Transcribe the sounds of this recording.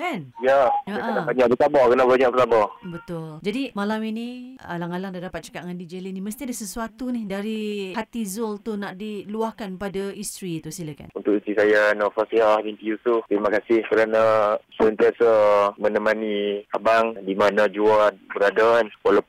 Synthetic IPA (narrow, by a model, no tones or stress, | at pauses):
kanijaaʔkənabaɲaʔbət̪abɔkənaʔbaɲaʔ̚bət̪abɔbət̪ʊld͡ʒadimalaminia̰laŋalaŋdadapat̪̚t͡ʃə̥kaʔŋandid͡ʒəliniməst̪iadahsəsuat̪unɪhdaɾihat̪izɔlt̪unaʔdiluahkanpadaist̪ɾit̪usilaka̰nunt̪ʊʔit̪isajanafasiabinp̪ijusuft̪əɾimakasɪhkəɾanasəənt̪iasamə̃nəmaniabaŋdimanad͡ʒuabəɾadanwalap